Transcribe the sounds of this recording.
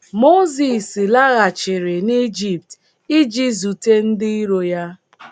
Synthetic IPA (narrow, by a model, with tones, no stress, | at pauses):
mo˦zi˨si˨la˦ɣa˨t͡ʃɪ˨ɾɪ˨ni˦d͡ʒi˨p̚t | i˦d͡ʒi˦zu˨te˦n̩˦dɪ˦i˦ɾo˨ja˦